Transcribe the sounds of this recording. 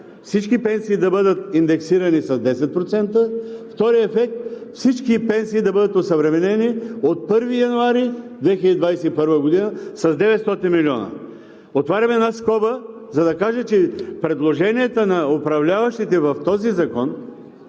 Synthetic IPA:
fsit͡ʃkipɛnsiːd̪ɐbɤd̪ət̪ind̪ɛksiɾɐnisɐzd̪ɛsɛt̪̚pɾot̪sɛnt̪əft̪ɔɾiɛfɛk̚t̪̚fsit͡ʃkipɛnsiːd̪ɐbɤd̪ət̪osɐvɾɛmɛnɛniot̪̚pɤɾvijɐnuaɾid̪vɛxilʲəd̪id̪vajsɛipɤɾvəɡod̪inəsɐzd̪ɛvɛt̪st̪ɔt̪inmilʲiɔnə̰ | ot̪vaɾʲɐmɛnaskɔbəzɐd̪ɐkaʒɛt͡ʃɛpɾɛd̪lˠoʒɛnijɛt̪ənɐopɾɐvlʲavɐʃt̪it̪ɛvɐft̪ɔzizɐkɔn

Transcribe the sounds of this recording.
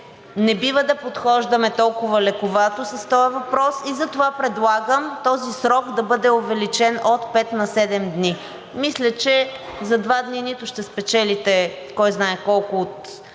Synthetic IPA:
nɛbivəd̪ɐpot̪xɔʒd̪ɐmɛt̪ɔlˠkʊvɐlɛkʊvat̪osɐst̪ɔjɐvɐpɾɔsizɐt̪ovapɾɛd̪lˠaɡəmt̪ɔzisɾɔɡd̪ɐbɤd̪ɛʊvɛlit͡ʃɛnot̪pɛt̪nɐsɛd̪ɛmd̪ni | mislʲɐt͡ʃɛzɐd̪vad̪ninit̪ʊʃt̪ɛspɛt͡ʃɛlit̪ɛ | kɔjznaɛkɔlˠkʊot̪

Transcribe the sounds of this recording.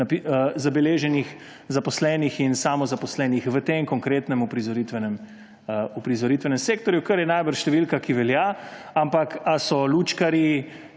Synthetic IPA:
pizabɛleːʒɛnix | zapɔslɛːnixinsamɔzapɔslɛːnixʋət̪eŋkɔŋkɾeːt̪nɛmupɾizɔɾit̪ʋɛnɛm | upɾizɔɾit̪ʋɛnɛmseːkt̪ɔɾjukɐɾjɛnajbəɾʃt̪ɛʋilkakiʋɛlja | ampakasɔluːt͡ʃkaɾi

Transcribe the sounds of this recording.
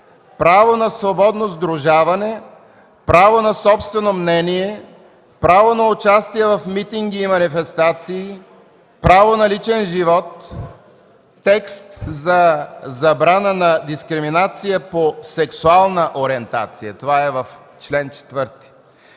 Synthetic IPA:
pɾavonɐsvobɔd̪nozd̪ɾʊʒavɐnɛ | pɾavonɐsɔpst̪vɛnomnɛniɛ | pɾavonɐʊt͡ʃast̪iɛvɐfmit̪iŋɡiːmɐnifɛst̪at̪siː | pɾavonɐlit͡ʃɛnʒivɔt̪ | ɛkst̪zɐzɐbɾanənɐd̪iskɾiminat̪sijəposɛksualˠnəʔoɾiɛnt̪a̰t̪sijət̪ovaɛvɐf | t͡ʃlɛnt͡ʃɛ̥t̪vəɾt̪i̥

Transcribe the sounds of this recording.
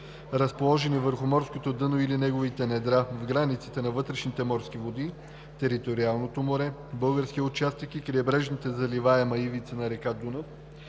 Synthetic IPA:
ɾəspolˠɔʒɛnivəɾxʊmɔɾskot̪od̪ɤnoilinɛɡovit̪ɛnɛd̪ɾavɡɾanit̪sit̪ɛnɐvɤt̪ɾɛʃnit̪ɛmɔɾskʲivod̪i | t̪ɛɾit̪oɾialˠnot̪omoɾɛbɤlˠɡəɾskʲiʊt͡ʃast̪əkikɾiɛbɾɛʒnit̪ɛzɐlivaɛmɐivit̪sənɐɾɛkad̪unof

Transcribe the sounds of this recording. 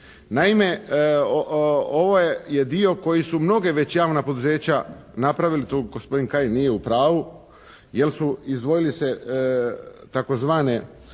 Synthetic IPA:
naime̞oo̞ʋo̞je̞d̪io̞ko̞jisumno̞ɡeʋe̞t͡ɕjaːʋnapo̞d̪uze̞ːt͡ɕanapɾaʋilit̪oɡospo̞d̪inkajnije̞upɾaːʋu | je̞lsuizd̪ʋo̞jilise̞ | t̪ako̞zʋaːne̞

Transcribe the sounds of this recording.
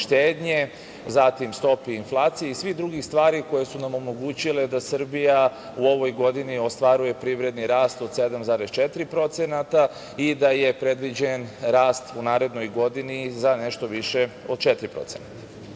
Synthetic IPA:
ʃt̪eːd̪ɲe̞ | zat̪imst̪o̞piːnflˠaːt̪sijeisʋid̪ɾuɡixst̪ʋaːɾiko̞jesunamo̞mo̞ɡuːt͡ɕile̞d̪asər̩bija | uo̞ʋo̞jɡo̞d̪inio̞st̪ʋaɾuje̞pɾiʋɾe̞d̪niɾaːst̪o̞d̪se̞d̪amzaːɾest͡ʃet̪iɾipɾo̞t̪senat̪a | id̪aje̞pɾe̞d̪ʋid͡ʑe̞nɾaːst̪unaːɾe̞d̪no̞jɡo̞d̪inizaneʃt̪o̞ʋiʃe̞ | o̞d̪̚t͡ʃet̪ɾipɾo̞̰t̪senat̪ḁ

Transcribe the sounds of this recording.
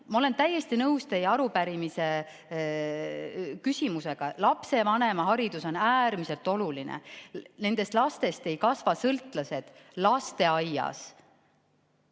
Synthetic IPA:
mɑo̞le̞nt̪æjːe̞st̪inɤwst̪ejɑɑɾupæɾimise̞ | kysʲimuse̞ɡ̥ɑlɑpse̞vɑne̞mɑɦɑɾid̪̥uso̞næːrmise̞lt̪ːˑo̞lulinḛne̞nd̪e̞st̪lɑst̪e̞st̪e̞jkɑsvɑsɤlt̪ˑlɑse̞d̪̥lɑst̪e̞ɑjɑ̰s

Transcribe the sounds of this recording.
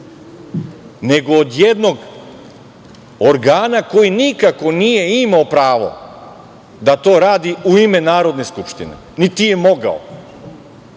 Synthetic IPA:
ne̞ɡo̞ːd̪jed̪no̞ɡ | oɾɡaːnako̞jinikako̞nije̞imaopɾaːʋo̞̰ | d̪at̪o̞ːɾaːd̪iuime̞naːɾo̞d̪ne̞skupʃt̪ḭnḛ | nit̪ije̞mo̞ɡa̰o̰

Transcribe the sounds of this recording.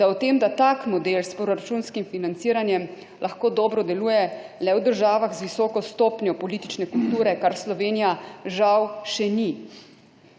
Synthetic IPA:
d̪̥awt̪eːmd̪at̪akmɔd̪elspɾɔɾat͡ʃuːnskimfinant̪siːɾanjɛm | lʔaxkoːd̪ɔːbɾɔd̪ɛluːjɛlɛwd̪əɾʒaːʋaɣzʋisɔːkɔst̪ɔːpnjɔpɔliːt̪i̥t͡ʃnɛkult̪uːɾɛkaɾslɔʋeːnijaʒawʃɛni

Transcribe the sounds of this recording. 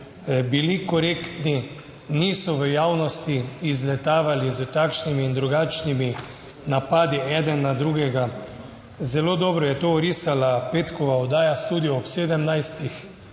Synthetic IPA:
bilikɔɾeːkt̪ni | niːsɔʋəjaːwnɔst̪iːzlɛt̪aːʋalizət̪aːkʃnimiːnd̪ɾuɡat͡ʃnimi | napaːd̪iʔɛd̪ɛnːad̪ɾuːɡɛɡa | zɛloːd̪ɔːbɾɔjɛt̪oɾiːsalapeːt̪kɔʋaɔd̪aːjast̪uːd̪iɔɔpseːd̪əmnajst̪ix

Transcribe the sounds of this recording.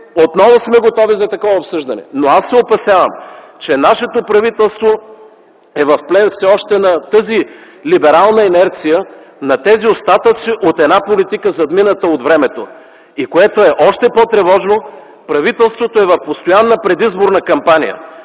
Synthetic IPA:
ot̪nɔvosmɛɡot̪ɔvizɐt̪ɐkɔvɐopsɤʒd̪ɐnɛ̰noasːɛopɐsjavə̰m | t͡ʃɛnaʃɛt̪opɾɐvit̪ɛlˠst̪vo | ɛvɐfplɛnfsɛɔʃt̪ɛnɐt̪ɤzi | libɛɾalˠnɐɛnɛɾt̪sijə | nɐt̪ɛziost̪at̪ət̪siʔot̪ɛd̪napolit̪ikəzɐd̪minət̪əod̪vɾɛmɛt̪o | ikoɛt̪oɛʔɔʃt̪ɛpɔt̪ɾɛvɔʒno | pɾɐvit̪ɛlˠst̪vot̪oɛvɐfpost̪ojanːəpɾɛd̪izboɾnɐkɐmpanḭjə̰

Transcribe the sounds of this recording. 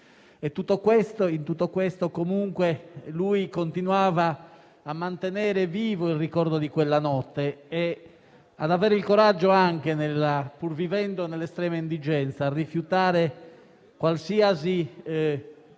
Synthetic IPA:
ɛt̪ːut̪ːokwɛst̪oint̪ut̪ːokwɛst̪okomuŋkweluikont̪inuaːvaː | mːant̪enɛːɾeviːvoilrikɔɾd̪od̪ikwɛlːanɔt̪ːɛː | ad̪avɛːɾeilkoɾad͡ʒːoaŋk̟enelapuɾvivɛnd̪onɛlːɛst̪ɾɛːmaind̪id͡ʒɛnt̪saːrːifjut̪aːɾe | kwalsiːazi

